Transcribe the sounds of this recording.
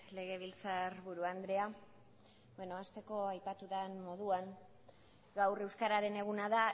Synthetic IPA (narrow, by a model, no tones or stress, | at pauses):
le̞ɣ̞e̞β̞ilt͡sarβuɾuand̪ɾe̞a | benoast̪e̞ko̞ajpat̪uðanmo̞ðuaŋ | ɡawre̞wskaɾaɾe̞ne̞ɣ̞unaða